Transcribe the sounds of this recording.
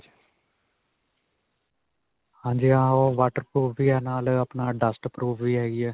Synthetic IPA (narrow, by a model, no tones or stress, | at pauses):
hãːɲd͡ʒiãːɦoːʋaːʈəɾpɾuːʋʋiːɛːnaːləpnaːɖəsʈəpɾuːʋʋiːɦɛːɡiɛː